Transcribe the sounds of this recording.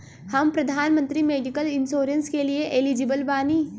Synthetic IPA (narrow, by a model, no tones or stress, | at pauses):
hɐmpɾɐd̪ʱaːnmə̃nt̪ɾimeːɖikəlɪnsoːɾə̃nskelieʔelid͡ʒɪbəlbaːniː